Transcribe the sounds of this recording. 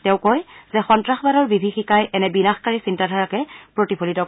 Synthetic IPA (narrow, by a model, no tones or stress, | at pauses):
tɛ̃ʊ̃kojzɛxɔntɹaxbadɔɹbibʱixikajʔɛnɛbinaxkaɹisintadʱaɹakɛpɹotipʰolitɔk